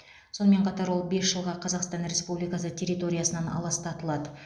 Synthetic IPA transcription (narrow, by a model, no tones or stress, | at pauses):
so̞nəme̞ɴqʰɑt̪ɑɾwo̞lˠbe̞sʒəlˠʁɑqʰɑzɑqst̪ɑnɾʲe̞spublijkɑsətʲʰe̞ɾʲit̪o̞ɾʲijasənɑnɑ̰lˠɑst̪ʰɑt̪əlˠɑd̪ə